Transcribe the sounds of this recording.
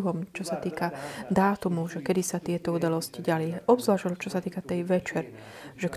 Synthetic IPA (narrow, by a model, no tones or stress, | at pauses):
ɦɔmt͡ʃɔsat̪iːkad̪aːt̪umuʒɛkɛd̪isat̪ɪɛt̪ɔud̪alɔsciɟaliʔɔbzʋlaːʃɔlt͡ʃɔsat̪iːkat̪ɛjʋɛt͡ʃɛɾ | ʒ̥ɛk